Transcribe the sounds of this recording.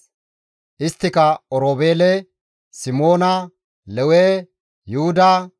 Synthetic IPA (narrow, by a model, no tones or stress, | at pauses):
ʔɪst̪ːɪkɐɔɾoːbeːlɛ | sɪmo̞ːnɐ | lɛweː | jʊhʊd̪ɐ